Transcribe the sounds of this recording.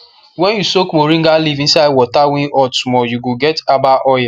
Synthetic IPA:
wɛ̃njusokmoɾiŋ̩ɡalivĩn̩saɪd̚wɔtawĩɔtmɔjuɡoɡɛtabaʔɔja

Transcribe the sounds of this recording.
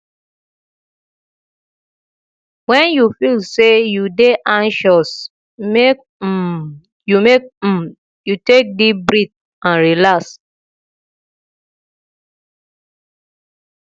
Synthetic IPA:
wɛ̃njufilsejudeʔãnʃɔs | mek̩̚ | jumek̩ | jutek̚dibɹit̚ | ãnɹilaks

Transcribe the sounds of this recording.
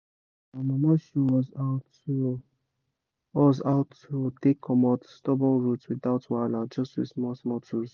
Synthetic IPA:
amɔmaʃuwɔzaʊt | u | ɔzaʊtutekʰːɔmɔtstɔbɔ̃nɹutswiðaʊtwalãd͡ʒɔstwḭsmɔsmɔtʰuz

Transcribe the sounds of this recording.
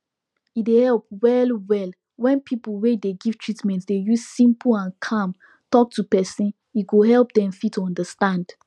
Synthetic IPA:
idehɛlˠp̚wɛlˠwɛlˠ | wɛ̃npʰipl̩wedeɡiv̥tʰɹ̥itmɛ̃ntsdejuzsĩmpʰəlãnkʰãm | tɔk̚tʰupɛsĩn | iɡoɦɛlp̚dɛ̃mfitʰuɔ̃ndəstãnd̥

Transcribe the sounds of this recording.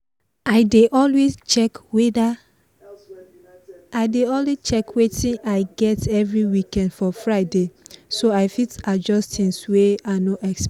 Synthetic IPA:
aɪdeʔɔlwest͡ʃɛkwda | aɪdeɔlwet͡ʃɛkwetʰĩnʔaɪɡɛtʰɛvɹiwikɛ̃ndfɔfɹaɪdesoaɪfitad͡ʒɔstʰĩnsweaɪnoʔɛks

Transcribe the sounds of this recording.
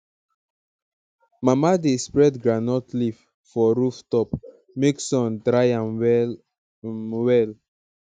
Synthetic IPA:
mamadespɹɛdɡɹanɔtlif | fɔɾuftɔp | meksɔ̃ntɾajamw | wɛl

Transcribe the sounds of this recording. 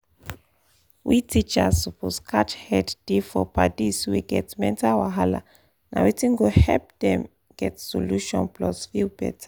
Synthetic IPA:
witit͡ʃasɔpʰoskʰat͡ʃhɛdd̥ifɔpadiswiɡɛtmɛ̃ntawaɦala̰ | na̰witĩnɡohɛlp̚dɛ̃m | ɡ̥ɛtsɔluʃɔ̰̃nplɔsfibɛ̰tʰḁ

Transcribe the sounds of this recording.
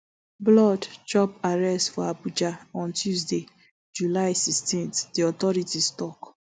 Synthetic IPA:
blɔdt͡ʃɔpaɹɛstfɔabud͡ʒaɔ̃ntjuzde | d͡ʒulaɪsistĩnθdiɔtɔɹitistɔk

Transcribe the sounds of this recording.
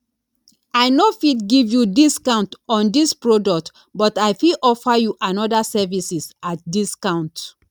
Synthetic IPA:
aɪnofitɡivjudiskãʊ̃ntɔ̃ndispɹodɔk̚t | bɔtaɪfiʔɔfajuʔãnɔdasɛvisisat̚diskãʊ̃nt

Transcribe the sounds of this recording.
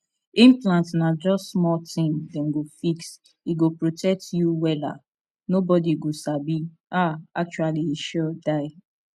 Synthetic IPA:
ĩmplãntnad͡ʒɔssmɔtʰĩmdɛ̃mɡofiks | iɡopɹotʰɛk̚tjuwɛla̰ | nobɔdiɡosabi | aak̚t͡ʃualiiʃɔdaɪ

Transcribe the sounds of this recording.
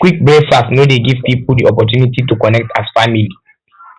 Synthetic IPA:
kwik̚bɹesasnodeɡiv̥pipuldiɔpɔt̬junititukɔnɛk̚tʰasfamili

